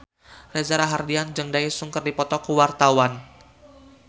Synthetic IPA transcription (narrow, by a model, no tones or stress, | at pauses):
rezaɾaɦardiand͡ʒəŋdaisuŋkərdipɔt̪ɔkuwart̪awan